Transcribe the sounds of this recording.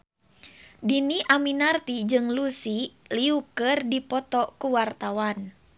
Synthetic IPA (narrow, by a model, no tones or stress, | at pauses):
diniʔaminart̪id͡ʒɨŋlusiliukɨrdipɔt̪ɔkuwart̪awan